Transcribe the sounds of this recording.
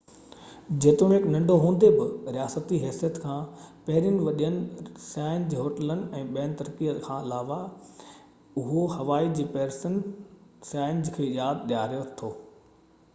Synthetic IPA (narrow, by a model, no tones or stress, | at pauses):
d͡ʑeːt̪ɪɽ̃ɪknɐ̃ɳɖʱoɦũːn̆d̪ebɪɾɪjaːsət̪iɦɛːsijət̪kʰãːpɐɦɪɾiənɪ̆ʋɐɗijənɪ̆saːɪnd͡ʑeɦoːʈələnɪ̆ɛ̃ːɓijənɪ̆t̪ɐɾkijət̪kʰãːɪlaːʋa | ʊɦohɐʋaːid͡ʑeːpɛːɾsənsaːɪnd͡ʑkʰeːjaːd̪ɗjaːɾjot̪ʰoː